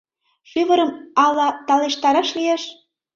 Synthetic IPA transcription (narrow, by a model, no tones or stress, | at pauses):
ʃyβə̆ɾə̆mɑlɑt̪ɑleʃt̪ɑɾɑʃlijeʃ